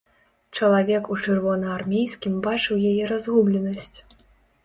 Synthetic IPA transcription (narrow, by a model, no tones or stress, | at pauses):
t͡ʂɐlˠavʲɛkut͡ʂɨrvɔnɐarmʲejsʲkʲimbat͡ʂɨwjajɛɾazɣublʲɛnɐsʲt͡sʲ